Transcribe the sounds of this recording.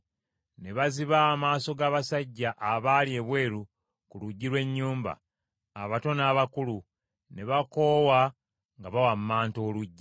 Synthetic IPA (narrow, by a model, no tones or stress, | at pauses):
ne̞βaziβaːmaːso̞ɡaːβasaɟːaʔaβaːlie̞βwe̞ːɾu | kuluɟːilwe̞ɲːuːmba̰ː | βato̞naːβakulu | ne̞βako̞ːwa | ŋɡaβawammaːnto̞ːluɟːi